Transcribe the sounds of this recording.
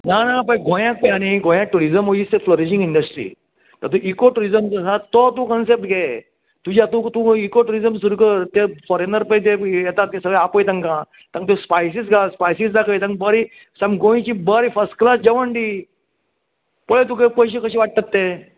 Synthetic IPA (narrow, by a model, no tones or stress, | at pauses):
nanãpə̃ɡʱõjãk̚pjaɽ̃iɡõjãk̚ʈuɾizəmoiːst̪efloɾiɕĩŋɡiɳɖəsʈɾḭː | t̪əɾt̪ũʔikoʈuɾizəmzəsãt̪ɔt̪ũkənsep̚ʈ̚ɡe | t̪ud͡ʑat̪ũt̪ũikoʈuɾizəmsuɾukəɾt̪efɔɾenəɾpət̪ejɛt̪at̪̚ĩsəɡɭjapojt̪ãŋkã | t̪ãŋk̚t̪ẽspajsisɡaspajsisd̪akʰəjt̪ãŋkbəɾi | sãmɡõĩt͡ɕibəɾifəɾsʈklasd͡ʑeʋəɳʈi | poɭet̪ũkəpəjɕikəɕiːʋaʈ̚t̪ət̪ːe